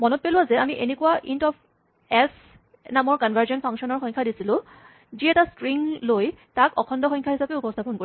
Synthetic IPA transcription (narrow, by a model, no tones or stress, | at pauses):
mɔnɔt̚pelʊwazɛamiʔenekuwaʔintɔpʰ | ɛs | namɔɹkɔnbʱaɹzɔnpʰaŋksɔnɔɹxɔɲkʰadisilʊ̃ | ziɛtastɹiŋlojtakɔkʰɔndɔxɔ̃ɲkʰaɦisapɛupɔstʰapɔnkoɹi